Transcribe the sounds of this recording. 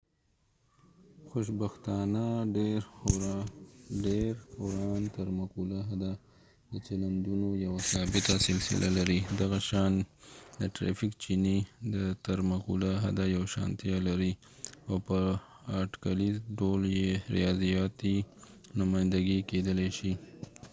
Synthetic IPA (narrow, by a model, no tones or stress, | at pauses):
xoʃbaxt̪ɑnaɖeɾ | ɖeɾhoɾɑnt̪aɾmaqulaɦad̪a | d̪ət͡ʃaland̪unojawasɑbɪt̪asɪlsɪ̰lʔalaɾid̪aɣaʃɑnd̪əʈɾa̰fikt͡ʃinid̪ət̪aɾmaqṵlaɦad̪ajawaʃɑ̰nt̪ijalaɾi | awpə | aʈkalizɖoljeɾḭjɑzijɑt̪i | nʊmɑjnd̪aɡiked̪əleʃi